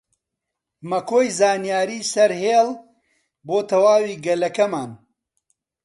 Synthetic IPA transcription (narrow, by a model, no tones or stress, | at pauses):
mɐkoːjzaːnijaːɾiːsɐɾheːl | boːt̪ʰɐwaːwiːɡɐlɐkɐmaːn